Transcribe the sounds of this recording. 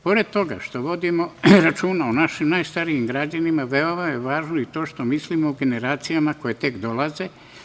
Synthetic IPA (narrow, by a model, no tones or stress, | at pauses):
po̞ɾe̞d̪̚t̪o̞ɡa̰ʃt̪o̞ʋo̞d̪imo̞ɾat͡ʃuːnaonaʃimnajst̪aɾijimɡɾad͡ʑanimaʋeoʋajeʋaːʒnoit̪o̞ːʃt̪o̞mislimoːɡe̞ne̞ɾaːt̪sijamako̞jet̪e̞kd̪o̞laze̞